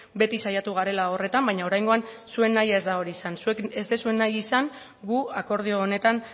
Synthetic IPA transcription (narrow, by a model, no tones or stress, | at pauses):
be̞t̪isajat̪uɣ̞aɾe̞laore̞t̪ambajɲao̞ɾajŋɡo̞ansue̞nːajae̞zd̪ao̞ɾiːsansuekezd̪e̞sue̞nːajisaŋ | ɡuako̞ɾð̞ioːne̞t̪an